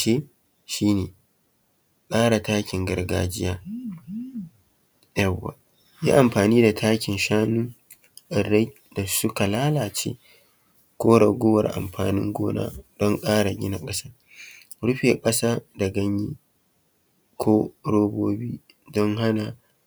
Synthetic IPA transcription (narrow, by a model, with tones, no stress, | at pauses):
ʃe˦ | ʃiː˦neː˨ | kʼaː˦ɽa˨taː˦kʲɪ˨ŋɡɐ˨ɾɡa̰ː˨d͡ʒɪ˦jaː˦ | ja˨wːa̰˨ | ja̰ː˦ʔa˨mɸaː˨niː˦da˨tʰaː˦kʲɪ˨nʃaː˦nuː˦ | ʔa˨ɾa˦j | da˨sʊ˦ka˨laː˦laː˨t͡ʃḛː˦ | koː˦ɽɐ˨ɡʷo˦wɐ̰˨ɾʔa̰˨mɸaː˨nɪ̰˦ŋɡo̰ː˦na̰ː˦d̥ɔ˦ŋkʼaː˦ɽa˨ɡʲɪ˦na˨kʼɐ˦sa˦ | ɽʊ˦ɸe˨kʼɐ˦sa˦da˨ɡɐ˦ɲjiː˦ | kʰʷoː˦ɾoː˦boː˦biː˦ | dɔ˦ŋɦa˦na˨